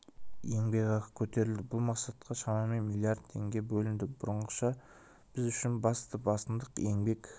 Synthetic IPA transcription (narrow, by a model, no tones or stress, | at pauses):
jeŋbe̞kɑʁəkʲʰɵt̪e̞ɾɪld̪ɪbʊlˠmɑqsɑt̪qʰɑʃɑmɑme̞nmilˠijard̪̚t̪ʰe̞ŋɡʲe̞bɵlɪnd̪ɪbʊɾəɴqəʃɑ | b̥ɪzʏʃɪnbɑst̪əbɑst̪ənd̪əqe̞ŋbe̞kʲ